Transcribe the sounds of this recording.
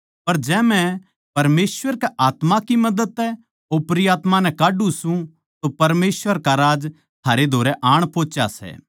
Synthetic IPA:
pɐɾd͡ʒɛːmɛ̃ | pɐɾmeːsʋəɾkɛʔaːt̪makimɐd̪əd̪ɛ | opɾɪjaːt̪manɛ̃kaːɖũsũ | t̪opɐɾmeːsʋəɾkaɾaːd͡ʒ | t̪ʰaːɾed̪ʱoːɾɛʔaːɽ̃poːt͡ʃa̰sɛ̰ː

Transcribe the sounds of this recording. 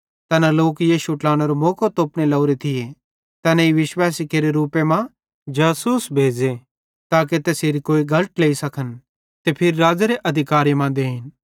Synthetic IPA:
t̪ɛːnaloːkjiːʃuʈlaːɽ̃eɾomoːkot̪oːpnelɐʊɾet̪ʰɪje | t̪ɛːnɛ̃iʋɪʃwaːsikeːɾeɾuːpemã | d͡ʒaːsuːsbʱeːd͡ʒe | t̪aːk̬et̪ɛseːɾikoːiɡʱɐləʈleːisɐkʰən | t̪epʰɪɾiɾaːd͡ʒaɾeʔɐd̪ʱɪkaːɾjmãd̪eːɦɪn

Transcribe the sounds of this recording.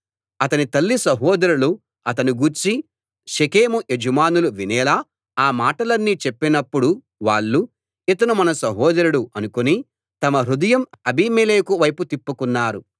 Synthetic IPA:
ɐt̪ɐnit̪ɐlːisɐɦɔːd̪ɐɾulu | ɐt̪ɐniɡuːɾt͡ʃi | ʃekeːmuʔed͡ʒɐmaːnuluʋinɛːlaː | maːʈɐlɐnːit͡ʃepːinɐpːuɽu | ʋaːɭːu | it̪ɐnumɐnɐsɐɦɔːd̪ɐɾuɽuʔɐnukoni | t̪ɐmɐɾud̪ɐjɐmɐbiːmeːleːkuʋɐjput̪ipːukunːaːɾu

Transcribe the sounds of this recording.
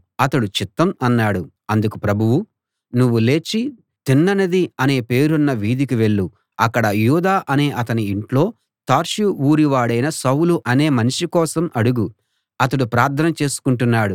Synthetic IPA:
ɐt̪ɐɽut͡ʃit̪ːɐmɐnːaːɽu | ɐnd̪ukupɾɐbʱuʋu | nuʋːule̞ːt͡ʃːi | t̪inːɐnɐd̪iɐne̞ːpe̞ːɾunːɐʋiːd̪ikiʋe̞ɭːu | ɐkːɐɽɐjuːd̪aːʔɐne̞ːʔɐt̪ɐniːɳʈlo̞ː | t̪aːɾʂuuːɾiʋaːɽɐjnɐsɐwluʔɐne̞ːmɐniʂikɔːsɐmɐɽuɡu | ɐt̪ɐɽupɾaːɾt̪ʰɐnɐt͡ʃe̞ːsu̥kuɳʈunːaːɽu

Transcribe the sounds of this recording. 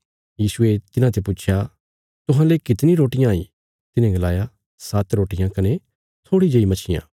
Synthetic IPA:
jiːsʊet̪ɪnãt̪ʰepʊt͡ʃʰja | t̪ʊɦãlekɪt̪nĩɾoːʈɪjãːḭ | t̪ɪnẽɡɐlaːja | sat̪ɾoːʈɪjãkɐne | t̪ʰoːɽid͡ʒɐimɐt͡ʃʰɪjã̰ː

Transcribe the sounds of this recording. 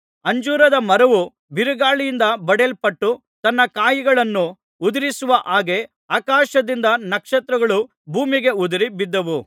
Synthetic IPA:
ɐɲd͡ʒuːɾɐd̪ɐmɐɾɐʋu | biɾuɡaːɭijind̪ɐbɐɽelpɐʈːu | t̪ɐnːɐkaːjiɡɐɭɐnːu | ud̪ɐɾisuʋɐʔaːɡe̞ | aːkaːʃɐd̪ind̪ɐnɐkʂɐt̪ɾɐɡɐɭu | bʱuːmiɡe̞ud̪iɾibid̪ːɐʋu

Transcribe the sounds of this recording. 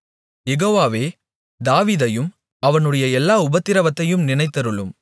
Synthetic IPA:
jɛɣoːʋaːʋeː | d̪aːʋiːðɐjɯm | ɐʋɐnɯɽɐjɐɛlːaːʊbɐt̪ːɪɾɐʋɐt̪ːɐjɯmnɪnɐɪt̪ːɐɾɯɭɯm

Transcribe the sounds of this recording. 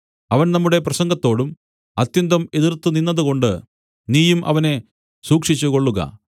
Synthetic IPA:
ɐʋɐnnɐmːuɽe̞prɐɕɐŋɡɐt̪ːo̞ːɽum | ɐt̪jɐnd̪ɐme̞ðirt̪ːuninːɐðuko̞ɳɖɨ | niːjumʔɐ̰ʋɐne̞ | suːkʂit͡ɕːuko̞ɭːuɣɐ̰

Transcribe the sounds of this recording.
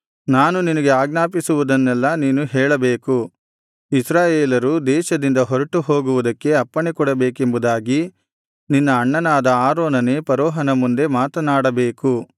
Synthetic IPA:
naːnuninɐɡe̞aːɡnaːpisuʋud̪ɐnːɛlːɐniːnuɦɛːɭɐbeːku | isɾaːjeːlɐɾud̪ɛːʃɐd̪ind̪ɐɦɔɾɐʈuɦo̞ːɡuʋud̪ɐkːe̞ɐpːɐɳekɔɽɐbeːkembud̪aːɡi | ninːɐːɳːɐnaːd̪ɐaːɾoːnɐneːpɐɾɔːɦɐnɐmund̪e̞maːt̪ɐnaːɽɐbeːku

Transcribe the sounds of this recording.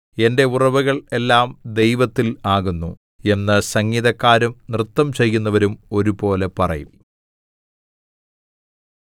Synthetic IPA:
e̞nde̞urɐʋuɣɐɭe̞lːaːmd̪e̞jʋɐt̪ːilaːɣunːu | e̞nːɨsɐŋːiðɐkːaːɾumnrɨt̪ːɐmt͡ɕe̞jːunːɐʋɐɾumo̞ɾupo̞ːle̞pɐrɐ̰jum

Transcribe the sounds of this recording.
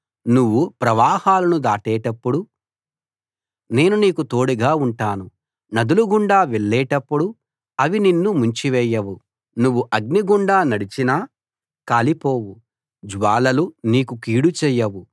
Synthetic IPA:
nuʋːupɾɐʋaːhaːlɐnud̪aːʈɛːʈɐpːuɽu | ne̞ːnuniːkut̪o̞ːɽiɡaːuɳʈaːnu | nɐd̪uluɡuɳɖaːʋɛɭːɛːʈɐpːuɽu | ɐʋininːumuɲt͡ʃiʋɛːjːɐʋu | nuʋːuʔɐɡ̚niɡuɳɖaːnɐɽit͡ʃinaː | kaːlipo̞ːwu | d͡ʒʋaːlɐluniːkukiːɽut͡ʃɛːjːɐʋu

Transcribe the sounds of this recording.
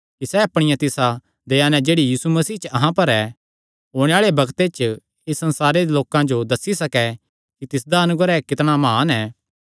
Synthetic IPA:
kisɛɐpɽ̃ɪjãt̪ɪsa | d̪eːanɛ̃d͡ʒeːɽijiːsumɐsiːt͡ʃɐɦãpɐɾɛ | ɦoːɽ̃eaːɭebɐɡt̪et͡ʃ | ɪsːɐ̃nsaːɾed̪eloːkãd͡ʒod̪ɐsːisɐkɛ | kit̪ɪsd̪aɐnʊɡɾɛkɪt̪ɽ̃amɦaːnɛ

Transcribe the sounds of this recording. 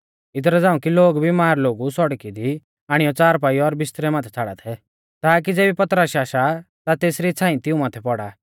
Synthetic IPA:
ɪt̪̬ɾɛd͡zãːũkiloːɡbʱimaːɾloːɡusɔɽkid̪i | aːɽ̃ijɔt͡saːɾp̬aːiɔɾbɪst̪ɾɛmaːt̪ʰɛ̥t͡sʰaɽa̰t̪ʰɛ | t̪aːk̬id͡zeːbipɐt̪ɾəʃaːʃa | t̪at̪eːsɾit͡sʰãːĩt̪ɪũmaːt̪ʰɛpɔɽa

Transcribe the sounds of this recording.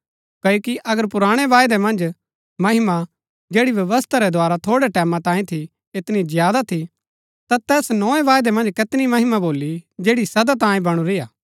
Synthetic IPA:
kɐjoːkiʔɐɡəɾpʊɾaːɽ̃ɛʋaːjd̪ɛmɐ̃nd͡ʒ | mɐɦɪma | d͡ʒeːɽiʋjɐʋəst̪ʰaɾɛd̪ʱʊaːɾat̪ʰoːɽɛʈɛːmãt̪ãːĩt̪ʰi | ɪt̪nizɪjaːd̪at̪ʰi | t̪at̪ɛːsnɔːẽʋaːjd̪ɛmɐ̃nd͡ʒkɪt̪nimɐɦɪmaboːlːid͡ʒeːɽisɐd̪at̪ãːĩbɐɽ̃ũɾɪjaː

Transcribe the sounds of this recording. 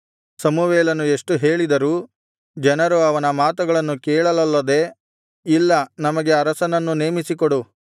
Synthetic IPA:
sɐmuʋeːlɐnue̞ʂʈuɦe̞ːɭid̪ɐɾuː | d͡ʒɛnɐɾuɐʋɐnɐmaːt̪uɡɐɭɐnːukɛːɭɐlɐlːɐd̪e̞ | ilːɐnɐmɐɡe̞ɐɾɐsɐnɐnːune̞ːmisikoɽu

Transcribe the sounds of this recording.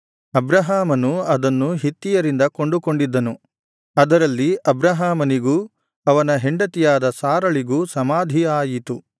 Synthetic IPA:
ɐbɾɐɦaːmɐnuɐd̪ɐnːuɦit̪ːijɐɾind̪ɐko̞ɳɖuko̞ɳɖid̪ːɐnu | ɐd̪ɐɾɐlːiʔɐbɾɐɦaːmɐniɡuː | ɐʋɐnɐɦe̞ɳɖɐt̪ijaːd̪ɐsaːɾɐɭiɡuːsɐmaːd̪ʱijaːjit̪u

